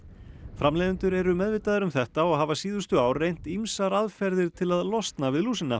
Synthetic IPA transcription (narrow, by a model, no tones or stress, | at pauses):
fɾamlɛːðʏnt̪ʏɾɛɾʏmɛðvɪt̪aðʏɾʏmθɛht̪aɔɣɦavasiːðʏst̪ʏaːwrejn̥t̪imsaɾaðfɛɾðɪɾ̥t̪ʰɪlaðlɔst̪navɪðluːsɪnːa̰